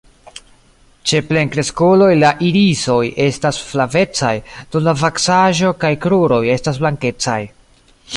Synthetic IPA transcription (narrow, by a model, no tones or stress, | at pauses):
t͡ʃe̞ple̞ŋkɾe̞skulo̞jlaʔiɾiso̞je̞stasflave̞t͡sajd̥onlavaksaʒo̞kajkɾuɾo̞je̞stasblaŋke̞t͡sa̰j